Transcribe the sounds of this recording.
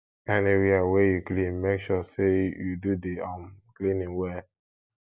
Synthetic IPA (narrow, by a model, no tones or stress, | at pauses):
aneɾiawejuklĩnmekʃɔsejududeãmklĩnĩŋwɛ